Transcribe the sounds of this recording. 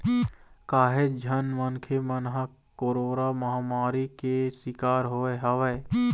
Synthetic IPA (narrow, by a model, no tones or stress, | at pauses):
kaːɦed͡ʒʱənmənkʰemənɦa | koɾoːɾaməɦaːmaːɾikesɪkaːɾɦoːeɦəʋɛː